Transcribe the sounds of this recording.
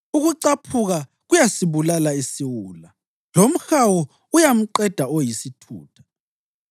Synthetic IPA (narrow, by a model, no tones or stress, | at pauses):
uɣuǀapʰuɣa | ɣujasiβulalaisiwuːla | lom̩xawɔ | ujam̩ǀɛd̥ʱaojisitʰṵːtʰḁ